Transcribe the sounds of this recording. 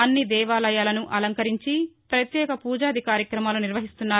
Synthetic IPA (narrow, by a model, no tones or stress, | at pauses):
ɐnːid̪ɛːʋaːlɐjaːlɐnuʔɐlɐŋkɐɾiɲt͡ʃipɾɐt̪jɛːkɐpuːd͡ʒaːd̪ʱikaːɾjɐkɾɐmaːluniɾʋɐɦist̪unːaː